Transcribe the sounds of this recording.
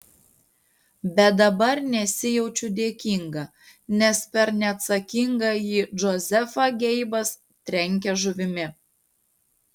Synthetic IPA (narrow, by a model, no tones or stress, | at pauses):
bʲɛd̪ɐbɐɾnʲɛsʲɪjɛʊt͡ʃʲʊd̪ʲeːkʲiŋɡɐː | nʲɛspʲɛɾnʲɛɐt̪sɐkʲiŋɡɑjiːʒɔzʲɛfɑɡʲɛɪbɐs | t̪ʲɾʲɛŋʲk̬ʲɛʒʊʋʲɪmʲɪ